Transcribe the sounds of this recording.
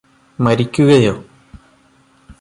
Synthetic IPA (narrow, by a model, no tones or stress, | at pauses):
mɐɾikʲːuɣɐjo